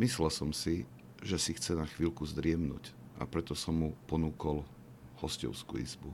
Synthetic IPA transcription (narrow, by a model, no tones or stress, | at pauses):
mislɛlsɔmsi | ʒɛsixt͡sɛnaxʋiːlkuzd̪ɾɪɛmnṵːc | ʔa̰pɾɛt̪ɔsɔmːupɔnuːkɔl | hɔscɔ̰ʊskṵːḭzbu